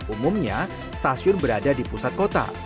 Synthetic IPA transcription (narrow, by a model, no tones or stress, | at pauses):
umʊmɲa | st̪asiʊnbəɾadadipusat̪̚kot̪a̰